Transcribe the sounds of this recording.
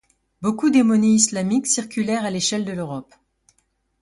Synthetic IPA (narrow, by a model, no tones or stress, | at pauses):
bokud̪emɔneislamiksiʁkʲylɛʁaleʃɛld̪əløʁɔp